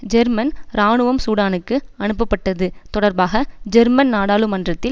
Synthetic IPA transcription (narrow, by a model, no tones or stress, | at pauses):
d͡ʒɛɾmɐnɾaːɳɯʋɐmsuːɽaːnɯkːɯɐnɯpːɐpːɐʈːɐðɯt̪ɔɽɐɾbaːɣɐd͡ʒɛɾmɐnnaːɽaːlɯmɐndrɐt̪ːɪ